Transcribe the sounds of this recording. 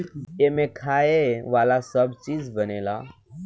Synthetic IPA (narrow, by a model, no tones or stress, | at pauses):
emẽkʰaːeʋaːlasəbt͡ʃiːd͡zbəneːla̰ː